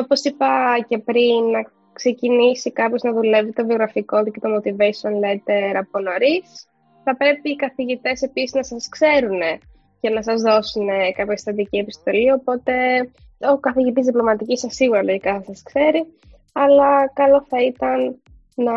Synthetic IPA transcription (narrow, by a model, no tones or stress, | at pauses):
opo̞sipɐce̞pɾinːɐ | kse̞cinisikɐpço̞znɐðule̞vit̪ovio̞ɣɾɐfiko̞t̪icet̪o̞mo̞t̪ivesionlet̪e̞ɾɐpo̞no̞ɾis | θɐpɾe̞piːkɐθiʝit̪e̞se̞pisiznɐsɐskse̞ɾune̞ | cenɐsɐzðo̞sune̞kɐpçɐsi̥t̪ɐd̪icie̞pist̪o̞lio̞po̞t̪e̞ | o̞kɐθiʝit̪izðiplo̞mɐt̪icisːɐsːiɣuɾɐloʝikɐθɐsɐskse̞ɾi | ɐlɐkɐlo̞θɐit̪ɐnː | ɐ